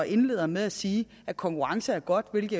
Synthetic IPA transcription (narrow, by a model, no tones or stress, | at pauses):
ʔe̝nle̝̰ːð̰ˠɐmeðˠæsiː | æ̥kʰɒ̽ŋkʰuʁɑ̈ŋsəæɐɡ̥ɒ̽d̥ʋe̝lɡ̥̩ˠ